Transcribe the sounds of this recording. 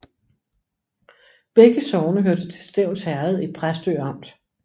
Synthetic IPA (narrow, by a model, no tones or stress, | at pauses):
b̥eɡ̥əsɒʊnəɦøɐd̥ət͡sʰe̝lsd̥eʊ̰nshæɐð̩ˠipʰʁasd̥ø̰ɑ̈m̰d̥